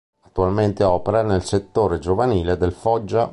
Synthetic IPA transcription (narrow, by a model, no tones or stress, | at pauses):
at̪ːualment̪eɔːpeɾanelset̪ːoːɾed͡ʒovaniːled̪elfɔd͡ʒːa